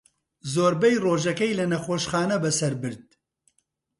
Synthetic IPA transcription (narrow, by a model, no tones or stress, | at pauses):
zoːɾbɛjroːʒɐkɛjlɐnɐxoːʃxaːnɐbɐsɐɾbɨɾd̪̚